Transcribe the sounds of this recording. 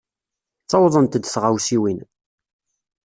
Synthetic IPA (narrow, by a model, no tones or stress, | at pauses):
t͡sɑwðˤənt̪əd̪θʁawsiwin